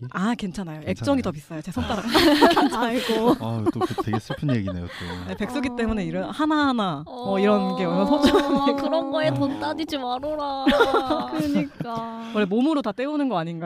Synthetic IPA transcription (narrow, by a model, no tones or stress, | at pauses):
ake̞nt͡ɕʰanajoe̞k̚t͡ɕ͈ʌŋitʌbis͈ʌjot͡ɕe̞sʰʌk̚t͈aɾakaaokent͡ɕʰaiɡooeɡes͈ɯpʰɯnjeɡinejo̰t͈onepe̞k̚s͈oɡit͈e̞mune̞iɾʌnhanaɦana | ʌiɾʌnɡeʌmasʰod͡ʑoŋkɯɾʌnɡʌetont͈ad͡ʑid͡ʑimaɾoɾa | kɯɯɲik͈a | wʌɭːemomɯɾotat͈e̞unɯnɡʌaɲinɡa